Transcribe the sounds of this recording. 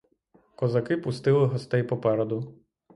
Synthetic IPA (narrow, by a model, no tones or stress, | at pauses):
kɔzɐkɪpʊst̪ɪlˠɪɦɔst̪ɛjpɔpɛɾɔd̪ʊ